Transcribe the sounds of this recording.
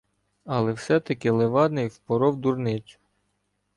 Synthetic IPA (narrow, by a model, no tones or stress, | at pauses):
ɐlˠɛwsɛt̪ɐkɪlˠeʋɑd̪nɪjwpɔɾɔwd̪urnɪt͡ʃʲʊ̥